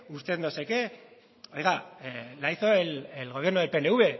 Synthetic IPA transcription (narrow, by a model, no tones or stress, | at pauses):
ust̪e̞nd̪oseke | ojɣalajθoelelɣo̞βje̞ɾnuðepeneuβe̞